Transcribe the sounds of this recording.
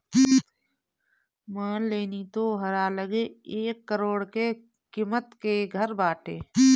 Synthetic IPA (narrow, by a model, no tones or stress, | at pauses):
maːnleːnit̪oɦəɾaːləɡeeːkːəɾoːɽke | kimət̪keɡʱəɾbaːʈeː